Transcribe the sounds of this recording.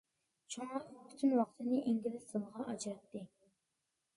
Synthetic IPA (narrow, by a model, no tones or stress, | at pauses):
t͡ʃʰoŋɑqpʰy̥t̪ʰynwɑqt̪ʰɨnɪʔeŋɡʲilɪsɨlˠʁɑʔɑd͡ʒɾɑt̪ːɨ